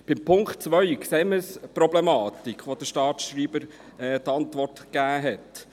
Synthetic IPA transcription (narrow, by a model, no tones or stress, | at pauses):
b̥ɪmpʰʊŋktt͡sʋœɥkseːməspɾɔblɛmɑːt̪ikχʋod̪əʃtɑːt̪ʃɾiːbəɾ | ɛːt̪ɑnt̪ʋɔrtkæːɦɛt